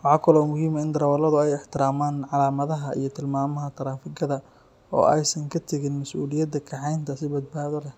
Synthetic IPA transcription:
wɑħɑːkʰɐlɔmʊɦhiːmɐɪnd̪ɐɾɐwɐlɐðʊɛjɪħt̪ʰɪɾaːmaːnʕɑlaːmɐðɐɦɐʔḭjɞt̪ʰɪlmaːmɐɦɐt̪ʰɐɾaːfɪɡɐðɐ | ɔ̰ːʔɛ̰jsɐŋkʰɐt̪ʰɛɣɪnmɐsʔṵːlɪjɐd̪ɐkʰɐʕɑjnt̪ʰɐsɪbɐd̪̚baːðɔlɛ

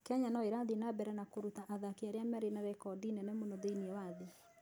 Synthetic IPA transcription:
kɛɲanɔeɾadinabɛɾɛnakoɾutaʔaðakiaɾeamɛɾenaɾɛkɔdinɛnɛmonɔðeiniɛwaðe

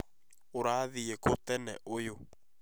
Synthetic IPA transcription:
oɾaːðiɣekotɛnɛ̰ʔojo

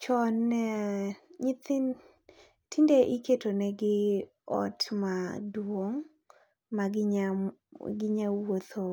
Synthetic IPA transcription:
t͡ʃɔn | ɲit̪ɪn | tindeʔiketonɛɡɪ | ɔ̰tmadwoŋ | maɡɲ | ɡɪɲawot̪ʰo

